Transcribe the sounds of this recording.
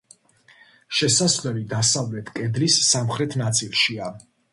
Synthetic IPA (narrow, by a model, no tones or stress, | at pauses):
ʃɛsaslɛlid̪asavlɛt̪ʰkʼɛd̪lisːamχɾɛt̪ʰnat̪sʼilˠʃia